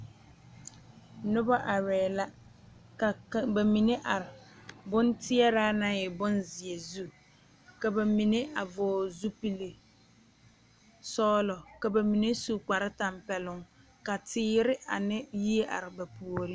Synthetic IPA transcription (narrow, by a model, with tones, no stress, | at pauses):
nʊ˦ba˦ʔa˨ɾɛː˨la˦ | ka˨kba˨mi˨ne˦ʔa˨ɾɪ˨bʊ˦ntɪ˦ɛ˦ɾa˦na˦ɛ˨bʊ˦nzɪ˨e˨zu˦ | ka˨ba˨mi˨ne˦ʔa˨vɔː˨zu˦pi˦le˨ | sɔː˦lɔ˨ka˨ba˨mi˨ne˦su˨k͡pa˨ɾɪ˦ta˨mpɛ˨lʊ˦˨ŋ | ka˨tɪː˦ɾɪ˦a̰˨nɪ˦ji˦e˦ʔa̰˨ɾɪ˨ba˨pu˨o˨ɾi˦